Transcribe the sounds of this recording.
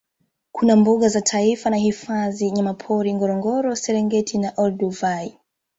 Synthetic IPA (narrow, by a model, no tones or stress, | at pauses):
kunambɔɠazatʰaifanahifaðiɲamapʰɔɾiŋɡɔɾɔŋɡɔɾɔsɛɾɛŋɡɛtʰinaʔɔlduvaj